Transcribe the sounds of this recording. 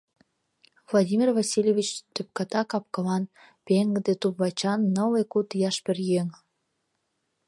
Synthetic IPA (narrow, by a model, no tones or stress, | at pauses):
vlˠadʲimʲirvɑsʲilʲjevʲit͡ɕt̪øp̚kɑt̪ɑkɑp̚kə̆lɑn | peŋɡəd̪et̪ubβɑt͡ɕɑnːəlekut̪jɑʃperjeŋ